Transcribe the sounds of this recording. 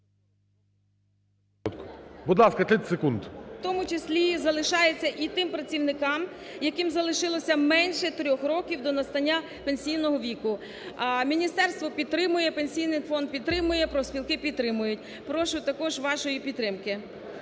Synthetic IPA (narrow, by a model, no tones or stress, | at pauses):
t̪kbʊd̪lˠɑskɐt̪lʲit̪sekund̪wt̪ɔmʊt͡ʃɪsʲlʲizɐlˠɪʃɑjet͡sʲːɐʔit̪ɪmpɾɐt͡sʲiwnɪkɑm | jɐkɪmzɐlˠɪʃɪlˠɔsʲɐmɛnʲʃɛt̪ɾʲɔxɾɔkʲiwd̪ɔnɐst̪ɐnʲːa | penʲsʲijnɔɦɔʋʲikʊ | mʲinʲist̪ɛrst̪ʋɔpʲid̪t̪ːɾɪmʊjɛpenʲsʲijnɪjfɔnd̪̚pʲid̪t̪ɾɪmʊjɛpɾɔsʲpʲilˠkɪpʲid̪t̪ːɾɪmʊjʊtʲ | pɾɔʃʊt̪ɐkɔʒʋɑʃɔjipʲid̪t̪ːɾɪmkɪ